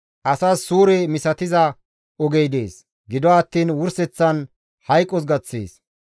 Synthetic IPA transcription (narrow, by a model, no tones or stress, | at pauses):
ʔɐsaːsːuːɾɛmɪsɐt̪ɪzɐ | ʔɔɡɛjd̪e̞̰ːs | ɡɪd̪ɔaːt̪ːiːnwʊɾsɛt͡sːɐn | hɐjkʼːɔs̬ɡɐt͡sːḛːs